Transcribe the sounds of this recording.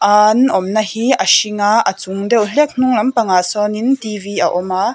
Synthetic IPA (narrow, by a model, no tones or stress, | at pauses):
ʔaːnʔɔmnɐhiʔɐʃiŋaʔɐt͡suŋdɛwɬɛk̚n̥uŋlɐmpɐŋaːsɔːnint̪ivia̰ʔɔma